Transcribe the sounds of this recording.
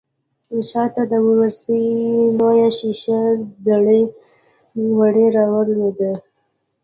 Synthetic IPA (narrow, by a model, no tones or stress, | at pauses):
ɪʃɑt̪ad̪əwwəɾsənojaʃiʃad̪aɽə | waɽeɾɑwəɾwed̪ə